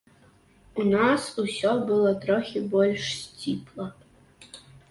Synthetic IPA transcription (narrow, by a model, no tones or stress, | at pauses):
unasusʲɔbɨlˠɔt̪ɾɔxʲibɔlʲʂsʲt͡sʲipʰlˠɐ